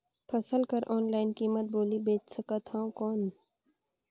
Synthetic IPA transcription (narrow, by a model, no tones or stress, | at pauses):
pʰɐsəlkɐɾʔɔːnlaːɪnkiːmət̪̚boːlibeːt͡ʃsɐkat̪ʰãkɔːn